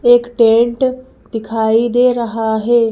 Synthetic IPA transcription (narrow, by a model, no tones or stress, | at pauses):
eːkʈẽːɳʈ | d̪ɪkʰaːid̪eːɾɐɦaɦeː